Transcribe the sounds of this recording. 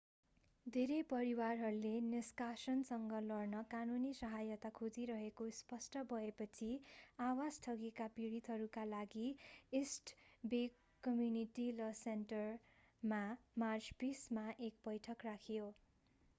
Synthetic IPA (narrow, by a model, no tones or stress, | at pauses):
d̪ʱeɾepʌɾiwarɦʌɾuleniskasʌnsʌŋɡʌlʌrnʌkanunisʌɦajʌt̪akʰod͡ziɾʌɦekospʌsʈʌbʱʌepʌt͡sʰiawad͡zʈʰʌɡekapiɽit̪ɦʌɾukalaɡiesʈbe | kʌmjuniʈilʌsenʈʌr | mamart͡sbismaʔek̚bʌjʈʰʌkrakʰjo